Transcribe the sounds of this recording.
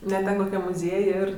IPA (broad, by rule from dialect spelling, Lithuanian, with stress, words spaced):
nʲɛ ˈtʲɛn koːˈkʲɛm mʊˈzʲiɛj ɪr